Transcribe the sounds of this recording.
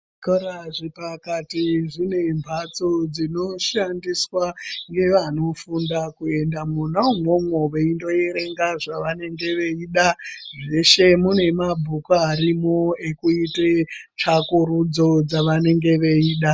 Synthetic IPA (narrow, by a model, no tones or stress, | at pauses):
koɾaʐipakatiʐine̞mbʱat͡so̞d͡zino̞ʃandiswaŋɡe̞ʋano̞fundakue̞ndamun̤aumwomwoʋeindo̞eɾe̞ŋɡaʐaʋane̞ŋɡe̞ʋe̞iːɗaʐe̞ʃe̞mune̞mabʱukoaɾimoekuite | t͡ʃakuɾud͡zo̞d͡zaʋane̞ŋɡe̞ʋe̞iːɗa